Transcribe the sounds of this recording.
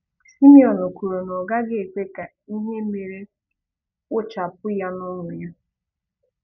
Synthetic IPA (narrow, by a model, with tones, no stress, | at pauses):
si˦mi˦ɔ˨no˨ku˨ɾo˨nɔ˨ɡa˦ɡɪ˨k͡pe˦ka˨ | i˦ɦe˦me˨ɾe˦ | ʊ˦t͡ʃa˨p̚ʊ˦ja˦nʊ˦ŋʷʊ˨ja˦